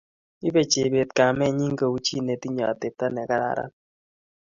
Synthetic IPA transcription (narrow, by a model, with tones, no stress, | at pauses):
i˦be˨t͡ʃe˨be˨t̪̚ka˨mɛ˦ɲi˦ŋ˦ɡe˨u˦t͡ʃi˦ne˨t̪i˦ɲɔ˨a̰˨te˨p̚ta˦nɛ˨ka˦ɾa̰˨ɾa̰˦